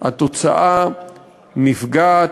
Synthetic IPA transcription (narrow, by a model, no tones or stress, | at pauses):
ha̰t̪ot͡sa̰ʔa | nifɡa